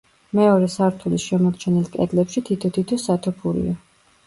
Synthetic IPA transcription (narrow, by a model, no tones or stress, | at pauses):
mɛɔɾɛsaɾt̪ʰulisʃɛmɔɾt͡ʃʰɛnilˠkʼɛd̪lɛpʃit̪ʰit̪ʰɔt̪ʰit̪ʰɛsat̪ʰɔpʰuɾḭa